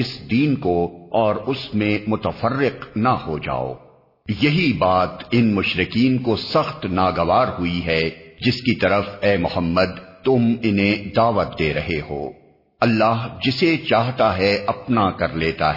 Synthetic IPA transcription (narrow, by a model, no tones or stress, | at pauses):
ɪsd̪iːnkoɔːɾʊsmẽmʊt̪əfərːɪqnɐhod͡ʒa̰ːo̰ː | jɐɦibaːt̪ɪnmʊʃɾɪkiːnkosɐxt̪naːɡɐʋaːɾɦʊiɦɛd͡ʒɪskit̪ɐɾəfɛːmʊhəmːəd̪̚t̪ʊmɪnɦẽd̪aːʋət̪̚d̪eːɾɐɦeɦo̰ː | ɐlːaːɦd͡ʒɪset͡ʃaːɦt̪aɦɛʔɐpnakɐɾleːt̪a̰ɦɛ